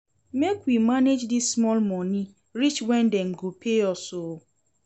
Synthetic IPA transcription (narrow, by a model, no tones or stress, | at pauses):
mekwimaned͡ʒdissmɔlmɔni | ɾit͡ʃwɛ̃n̩deŋ̩ɡopʰeɔso